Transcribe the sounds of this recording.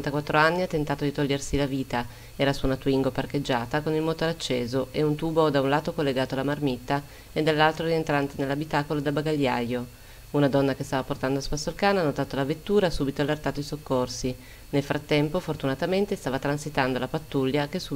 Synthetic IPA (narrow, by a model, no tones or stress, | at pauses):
nt̪akwat̪ːɾoanːiat̪ːent̪aːt̪od̪it̪oʎːersilaviːt̪a | ɛːɾasunat̪uiŋɡoparked͡ʒːaːt̪akonilmoːt̪oɾat͡ʃːeːzoʔeunt̪uːbod̪aunlaːt̪okolːeɡaːt̪oalːamarmit̪ːa | ed̪ːalːalt̪ɾoɾient̪ɾant̪enelːabit̪aːkolod̪abaɡaʎːajo | unad̪ɔnːakest̪aːvaport̪and̪oaspasːoalkaːnanːot̪aːt̪olavet̪ːuːɾasubit̪oalːert̪aːt̪oisokːorsi | nelfɾat̪ːɛmpofort̪unat̪ament̪est̪aːvat̪ɾansit̪and̪olapat̪ːuʎːak̟esu